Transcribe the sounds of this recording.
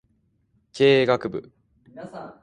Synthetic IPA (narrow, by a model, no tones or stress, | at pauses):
kʰeːɡakɯ̟bɯ̟̰